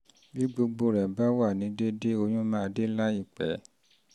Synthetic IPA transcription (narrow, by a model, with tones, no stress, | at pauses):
bi˦ɡ͡bo˧ɡ͡bo˧˦˨ɾɛ˨ba˦wa˦˨nĩ˨˦de˦de˦o˧j̃ũ˦mã˦˧de˦la˦i˦˨k͡pɛ̰˨˦